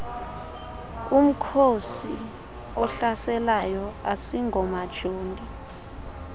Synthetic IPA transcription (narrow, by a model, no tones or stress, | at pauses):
um̩kʰosi | ɔɬasɛlajɔasiŋɡɔmad̥ʒ̥ʱoːndʱʼi